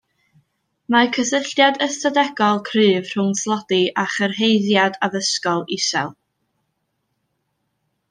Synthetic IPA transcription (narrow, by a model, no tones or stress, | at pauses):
makʰəsɪɬjadəstʰadɛɡɔlˠkʰrɨːv̥r̥ʊŋslˠɔdiʔaχərhejðjadavəskɔlˠisɛ̰lˠ